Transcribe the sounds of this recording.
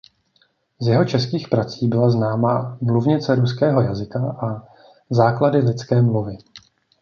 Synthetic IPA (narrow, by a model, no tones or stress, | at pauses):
zjɛɦo̞t͡ʃɛskiːxpɾat͡siːbɪlaznaːmaːmluvɲɪt͡sɛɾuskɛːɦo̞jazɪkaʔa | zaːkladɪlɪt͡skɛːmluvɪ